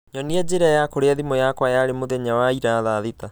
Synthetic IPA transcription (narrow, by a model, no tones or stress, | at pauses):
ɲɔniɛd͡ʑeɾajakoɾeaðimojakwajaɾemoðɛɲawaiɾaðaːðeta